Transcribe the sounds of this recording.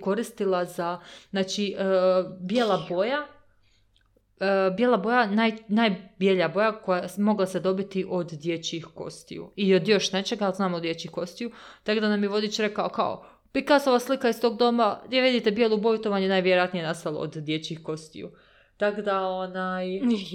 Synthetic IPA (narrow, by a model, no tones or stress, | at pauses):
ko̞ɾist̪ilˠazazaːt͡ʃi | bje̞ːlˠabo̞ja | bje̞lˠabo̞janajnajbjeʎabo̞jakojasmo̞ɡlˠased̪o̞bit̪iʔo̞d̪d̪je̞t͡ɕixko̞̰st̪ḭjṵiod̪jo̞ʃnet͡ʃe̞ɡaalzaːmod̪je̞t͡ɕihko̞st̪ijut̪akod̪anamjeʋo̞d̪it͡ʃɾe̞kaoka̰o̰ | pikasoʋaːslikaist̪o̞ɡ̚d̪o̞maiʋid̪it̪ebjelˠubojut̪oʋaɲunaːjʋjeɾojat̪nije̞nast̪alˠo̰o̰d̪d̪je̞t͡ɕixko̞st̪ḭjṵ | t̪akod̪aonaj